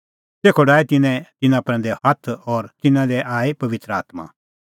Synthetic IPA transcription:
seːkʰoɖaːɛt̪ɪnɛ̃t̪ɪnãpɾɛ̃nd̪ɛhɐt̪ʰɔɾt̪ɪnãd̪ɛʔaːepɐʋɪt̪ɾəa̰ːt̪ma̰

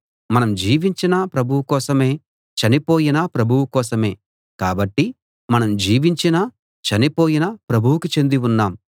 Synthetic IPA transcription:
mɐnɐmd͡ʒiːʋiɲt͡ʃinɐpɾɐbʱuwukɔːsɐme̞ː | t͡ʃɐnipo̞ːjinɐpɾɐbʱuwukɔːsɐme̞ː | kaːbɐʈːi | mɐnɐmd͡ʒiːʋiɲt͡ʃinɐ | t͡ʃɐnipoːjinɐpɾɐbʱuwukit͡ʃe̞nd̪iwunːaːm

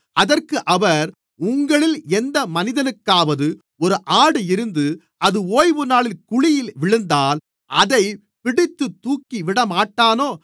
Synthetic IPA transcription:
ɐðɐrkɯʔɐʋɐɾ | ʊŋɡɐɭɪlɛnd̪ɐmɐnɪðɐnɯkːaːʋɐðɯ | ɔɾɯʔaːɽɯɪɾɯnd̪ɯ | ɐðɯoːjʋɯnaːɭɪlkʊɻɪjɪlʋɪɻɯnd̪aːl | ʔɐðɐɪ | pɪɽɪt̪ːɯt̪ːuːkːiʋɪɽɐmaːʈːaːnoː

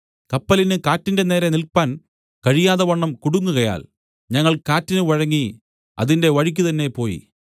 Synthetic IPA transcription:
kɐpːɐlinɨkaːtːinde̞ne̞ːɾɐnilpaːn | kɐɻijaːðɐʋɐɳːɐmkuɽuŋːuɣɐja̰ːl | ɲɐŋːɐɭkaːtːinɨʋɐɻɐŋːi | ɐ̰ðinde̞ʋɐɻik̬ʲːut̪ɐnːe̞po̞ːjḭ

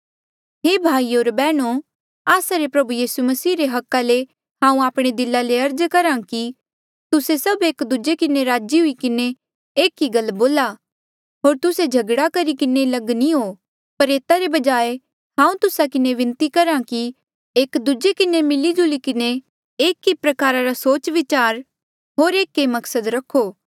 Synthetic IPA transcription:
ɦeːbʱaːioːɾbɛːɽ̃o | aːsaɾepɾɐbujiːsumɐsiːɾeɦɐkːale | ɦãːũaːpɽ̃ed̪ɪlːaleɐɾd͡ʒkɐɾãki | t̪ʊsesɐbeːkd̪ud͡ʒekɪneɾaːd͡ʒiɦʊikɪne | eːkiɡɐlboːla | ɦoːɾt̪ʊsed͡ʒʱɐɡɽakɐɾikɪnelɐɡniɦoː | pɐɾeːt̪aɾebɐd͡ʒaːe | ɦãːũt̪ʊsakɪneʋɪ̃nt̪ikɐɾãki | eːkd̪ud͡ʒekɪnemɪlid͡ʒʊlikɪne | eːkːipɾɐkaːɾaɾasoːt͡ʃʋɪt͡ʃaːɾ | ɦoːɾeːkːemɐksəd̪ɾɐkʰːoː

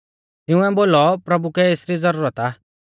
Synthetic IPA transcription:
t̪ɪũɛboːlɔpɾɐbukɛeːsɾizɐɾuːɾət̪aː

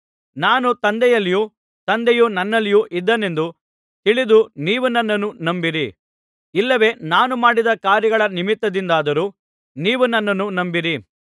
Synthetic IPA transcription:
naːnut̪ɐnd̪ɛjɐlːiju | t̪ɐnd̪ɛjunɐnːɐlːijuʔid̪ːɐne̞nd̪u | t̪iɭid̪uniːʋunɐnːɐnːunɐmbiɾi | ilːɐʋe̞ːnaːnumaːɽid̪ɐkaːɾjɐɡɐɭɐnimit̪ːɐd̪ind̪aːd̪ɐɾuː | niːʋunɐnːɐnːunɐmbiɾi

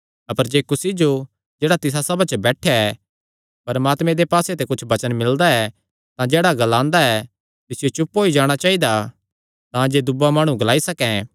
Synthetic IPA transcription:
ɐpəɾd͡ʒeːkʊsid͡ʒo | d͡ʒeːɽat̪ɪs̬asɐbat͡ʃəbɛːʈʰjaɛ | pɐɾmaːt̪mẽd̪epaːset̪ekʊt͡ʃʰbɐt͡ʃənmɪld̪aɛ | t̪ãd͡ʒeːɽaɡɐlãːnd̪aɛ | t̪ɪsɪjot͡ʃʊpːoːid͡ʒaːɽ̃at͡ʃaːɦid̪a | t̪ãd͡ʒeːd̪ʊbamaːɽ̃ũɡɐlaːisɐkɛ̃

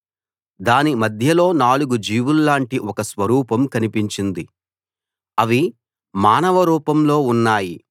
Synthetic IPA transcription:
d̪aːnimɐd̪ʱjɐlo̞ːnaːluɡud͡ʒiːʋulːaːɳʈiʔɔkɐsʋɐɾuːpɐmkɐnipiɲt͡ʃind̪i | ɐʋi | maːnɐʋɐɾuːpɐmlo̞ːunːaːji

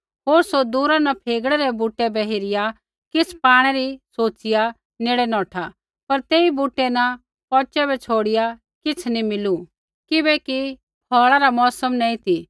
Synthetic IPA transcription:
ɦoːɾsod̪uːɾãnɐpʰeːɡɽɛɾɛbuːʈːɛbɛɦɪɾɪja | kɪt͡sʰpaːɽ̃ɛɾisoːt͡sɪja | neːɽɛnɔ̃ːʈʰa | pɐɾt̪eːibuːʈːɛnɐ | pɔːt͡ʃɛbɛt͡ʃʰoːɽɪja | kɪt͡sʰnimɪlu | kɪbɛki | pʰɔːɭaɾamɔːsəmnɛːĩt̪ʰi

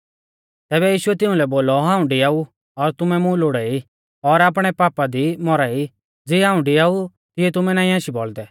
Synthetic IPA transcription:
t̪ɛːbɛjiːʃʊɛt̪ɪ̃ũlɛboːlɔɦãːũɖɪjaːu | ɔɾt̪ʊmɛmũloːɽaːi | ɔɾaːp̬ɽ̃ɛpaːpad̪imɔɾaːi | d͡ziɦãːũɖɪjau | t̪ɪɛt̪ʊmɛnãːĩaːʃibɔld̪ɛ

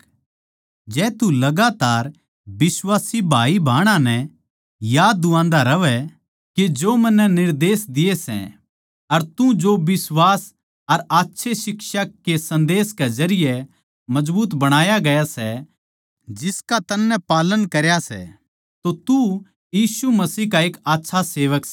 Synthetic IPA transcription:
d͡ʒɛːt̪ulɐɡaːt̪aːɾ | bɪswaːsibʱaːibʱaːɽ̃ãnɛ̃ | jaːd̪ːuãːnd̪aɾɐʋɛ | ked͡ʒoːmɐnːɛnɪɾd̪eːsd̪ɪjesɛ̰̃ | ɐɾt̪ũd͡ʒobɪswaːs | ɐɾaːtːʃʰesɪkʃakesɐ̃nd̪eːskezɐɾɪjɛ | mɐd͡ʒbuːt̪bɐɽ̃aːjaɡɐjasɛ | d͡ʒɪskat̪ɐnːɛpaːlənkɐɾjasɛ̰ | t̪ot̪u | jiːsumɐsiːɦkaeːkaːtːʃʰaseːʋək

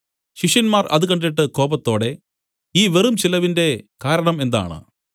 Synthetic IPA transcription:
ɕiʂjɐnmaːrɐ̰ðɨkɐɳɖiʈːɨko̞ːbɐt̪ːo̞ːɽe̞ | iːʋerumt͡ɕilɐʋinde̞kaːɾɐɳɐme̞nd̪a̰ːɳɨ̰

